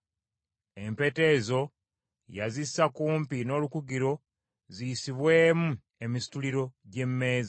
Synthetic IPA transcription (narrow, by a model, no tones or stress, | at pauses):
e̞mpe̞te̞zo̞ | jazisːakuːmpino̞ːlukuɡiɾo̞ | zijisiβwe̞ːmu | e̞misi̥tuliɾo̞ɟe̞mːe̞ːza